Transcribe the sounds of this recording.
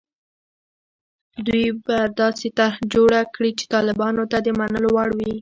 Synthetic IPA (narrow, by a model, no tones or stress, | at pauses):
d̪wujbad̪ɑset̪aɾhd͡ʒoɽakɽit͡ʃe̥t̪ɑlɪbɑnot̪ad̪əmanəlowɑɽwi